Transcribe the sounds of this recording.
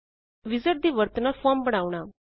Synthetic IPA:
ʋid͡zəɾd̪iːʋəɾt̪ənafɔmbəɽ̃aʋɳ̃a

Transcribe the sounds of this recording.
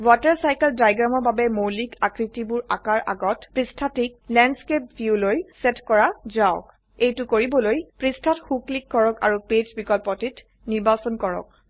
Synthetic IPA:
watɛɹsajkɛldajɡɹamɔɹbabɛmowlikakɹitibʊɹakaɹʔa̰ɡɔtpɹistʰatik̚lɛnskep̚bjulojsɛtkɔɹazaɔk | ejtʊkoɹibɔlojpɹistʰatxuklikːɔɹɔka̰ɹuped͡ʒbikɔlpɔtit | niɹbasɔnkɔɹɔ̰k̚

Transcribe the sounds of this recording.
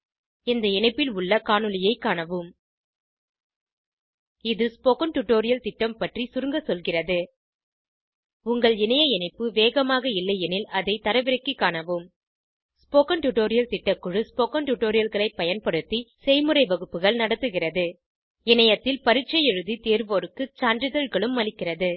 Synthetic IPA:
ɛnd̪ɐɪnɐɪpːɪlʊɭːɐkaːɳɯlɪjɐɪkːaːɳɐʋɯm | ɪðɯspoːkɐnʈʊʈoːɾɪjɐlt̪ɪʈːɐmpɐʈrisʊɾɯŋɡɐsɔlɣɪrɐðɯ | ʊŋɡɐɭɪnɐjɐɪnɐɪpːɯʋeːɣɐmaːɣɐɪlːɐɪjɛnɪlɐðɐɪt̪ɐɾɐʋɪɾɐkːikːaːɳɐʋɯm | spoːkɐnʈʊʈoːɾɪjɐlt̪ɪʈːɐkːɯɻɯspoːkɐnʈʊʈːoːɾɪjɐlɣɐɭɐɪpːɐjɐnpɐɽɯt̪ːisɛɪmɯrɐɪʋɐɣɯpːɯɣɐɭnɐɽɐt̪ːɯɣɪrɐðɯ | ɪnɐjɐt̪ːɪlpɐɾɪʈ̚t͡ʃːɐjɛɻɯðit̪eːɾʋoːɾɯkːɯt͡ʃaːndrɪðɐɻɣɐɭɯmːɐlɪkːɪrɐðɯ

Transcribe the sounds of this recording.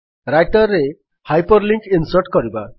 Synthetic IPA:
ɾajʈɔɾːe | hajpɔɾliŋkinsɔɾʈkɔɾiba

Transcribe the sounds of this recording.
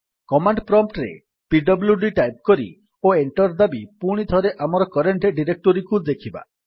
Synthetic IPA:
kɔmaɳɖpɾɔmpʈɾḛ | piɖɔbljuɖiʈajp̚kɔɾḭ | oeɳʈɔɾd̪abipuɽ̃id̪ʱɔɾeʔamɔɾɔkɔɾeɳʈeɖiɾek̚ʈɔɾikud̪ekʰiba̰

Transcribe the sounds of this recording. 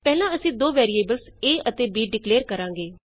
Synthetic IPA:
pɛːlãːəsĩːd̪oːʋɛːɾieːbəlseːʔət̪eːbiːɖɪkleːɾkəɾãːŋɡeː

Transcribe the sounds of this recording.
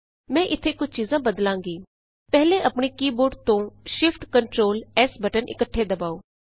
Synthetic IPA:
mɛ̃ːʔɪt̪ʰːeːkʊt͡ʃʰt͡ʃiːzãːbəd̪lãːŋɡiː | pɛɦleːʔəpɳ̃eːkiːbʊɾɖt̪õːʃɪfʰʈkəɳʈɾoːlɛːsbəʈənʔɪ̰kəʈʰːeːd̪əbaːoː

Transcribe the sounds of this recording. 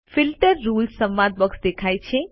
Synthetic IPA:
fɪlʈəɾːulssə̃mʋãd̪̚bəksd̪ekʰajt͡ʃʰe

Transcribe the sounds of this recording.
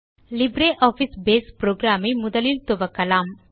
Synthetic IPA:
libɾeʔɔːfisbeːspɾoːɡɾaːmimud̪ɐlilt̪obɐkɐlaːm

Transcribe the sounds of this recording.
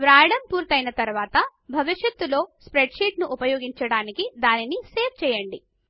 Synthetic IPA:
ʋɾaːjɐɽɐmpuːɾt̪ɐjnɐt̪ɐɾʋaːt̪ɐbʱɐʋiʂjɐt̪ːulo̞ːspɾeɖʂiːʈnuʔupɐjoːɡiɲt͡ʃɐɽaːnikid̪aːniniseːp̚t͡ʃɛːjɐɳɖi

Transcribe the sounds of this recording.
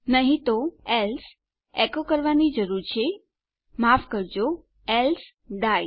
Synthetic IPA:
nəɦĩt̪oɛls | ɛkokəɾʋanid͡ʒəɾuɾt͡ʃʰe | mafkəɾd͡ʒo | ɛls | ɖ̪aj

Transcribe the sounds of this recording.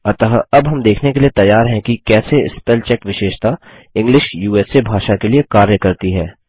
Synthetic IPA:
ɐt̪əɦɐbɦɐmd̪eːkʰnekeliet̪ɐjːaːɾɦɛ̃kikɛːseɪ̰spɛlt͡ʃɛkʋɪʃeːʃt̪a | ɪ̃ŋɡlɪʃjuːɛːsebʱaːʃakeliekaːɾjəkɐɾt̪iɦɛː

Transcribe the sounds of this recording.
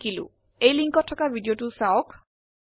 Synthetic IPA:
kilʊ̰̃ | ejliŋkɔtʰːɔkabʱidijotusawɔk

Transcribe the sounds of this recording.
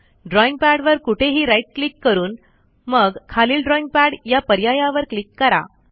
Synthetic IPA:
ɖɾɔiŋɡ̚pæɽʋəɾkuʈʰeɦiːɾaiʈ̚klikːəɾuːn | məɡkʰaliːlɖɾɔiŋɡ̚pæɽjapəɾjajaʋəɾklikːəɾa̰

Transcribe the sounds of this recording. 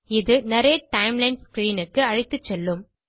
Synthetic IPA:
ɪðɯnɐɾejɐʈɐɪmlɐɪnɖskɾiːnɯkːɯɐɻɪt̪ːɯt͡ʃːɛlːɯm

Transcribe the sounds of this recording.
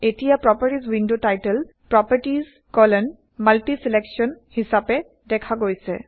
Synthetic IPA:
etijapɹɔpəɹʈizwindotajtəl | pɹɔpəɹʈiz | kɔlɔn | malʈisileksiɔnhisapɛ | dɛkʰaɡojsɛ̰

